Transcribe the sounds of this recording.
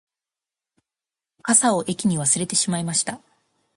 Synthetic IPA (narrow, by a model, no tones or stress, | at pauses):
kasao̞ʔe̞kʲiɲ̟iβ̞asɨɾe̞t̪e̞ɕimaimaɕi̥t̪a